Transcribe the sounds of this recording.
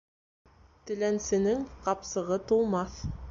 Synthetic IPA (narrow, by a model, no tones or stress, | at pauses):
t̪ɘ̆lænsɘ̆nɘŋqɑpsɤ̆ʁɤt̪ulˠmɑθ